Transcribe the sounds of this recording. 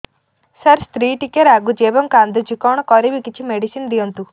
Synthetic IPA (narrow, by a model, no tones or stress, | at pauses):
sɐɾst̪ɾiːʈikeɾaɡud͡ʒeːbɐmkaːnd̪ud͡ʒikɔːɳ̃kɔɾibikit͡ʃʰimeɖisind̪iont̪u